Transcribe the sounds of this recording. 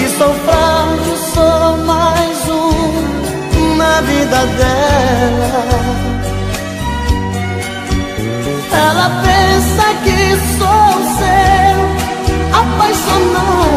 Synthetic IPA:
ɪsofɾadʊsowmajzũ | navid̪ɐd̪ɛlɐɐ | ɛlɐpẽsɐkɪsɔʊsew | apajʃona

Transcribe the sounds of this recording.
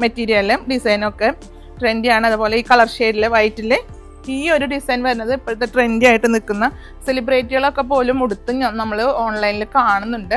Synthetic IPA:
mɐtːiːɾijɐlɨmɖisɐjno̞kːe̞ | ʈre̞ndjaːɳɨɐðubo̞ːle̞iːkɐɭɐrɕe̞ːɾilːeʋɐjtːilːe | iːo̞ɾuɖisɐjnʋɐɾunːɐðɨipːoːɭt̪ːeʈre̞ndaːjiʈːɨnikːunːɐ | se̞libreːtːiɣɐɭo̞kːe̞p̬ːo̞ːlumuɽut̪ːuɲːonɐmːɐɭɨo̞ːɳlɐjnilokːaːɳunːuɳɖɨ

